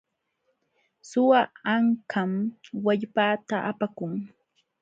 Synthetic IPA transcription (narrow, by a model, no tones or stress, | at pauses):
sʊwaaŋkʰamwaʎpaːt̪aʔapakʊŋ